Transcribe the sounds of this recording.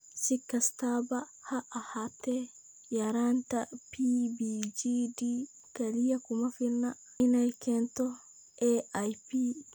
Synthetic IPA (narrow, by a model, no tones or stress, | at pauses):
sikːastaba | haʔahatɛ | jaɾantapibid͡ʒidi | kalijakumafiɾna | inajkɛntɔ | ʔɛʔajpi